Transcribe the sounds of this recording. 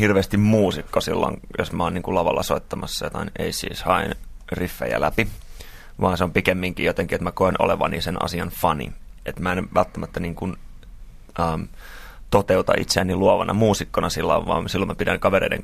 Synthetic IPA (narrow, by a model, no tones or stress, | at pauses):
hirʋeːst̪immuːsikːosḭlːo̰ŋjosmæoːniːŋkulɑʋɑ̰lːɑsoit̪ːɑmɑsːɑjot̪ɑneisḭːshɑinrifːḛjæ̰læpi | ʋɑːnseompikemːiŋkḭjot̪eŋkiet̪mækoenʔo̰leʋɑ̰nḭːsenɑ̰siɑnfɑnḭet̪mæenʋælt̪ːæmæt̪ːæniːŋkun | əm | t̪ot̪eut̪ɑ̰ʔḭt̪seænːiluɑʋɑnʔɑmuːsikːonɑsilːɑ̰ʋʋɑ̰ːmsilːomæpidæ̰ŋkɑʋeɾeidḛŋ